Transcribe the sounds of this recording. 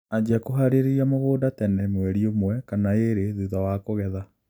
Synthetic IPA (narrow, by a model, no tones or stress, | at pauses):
ad͡ʒakoɦaɾeɾeɾiamoɣoːdatɛnɛmwɛɾiomwɛkanaeɾeðuðawaːkoɣɛða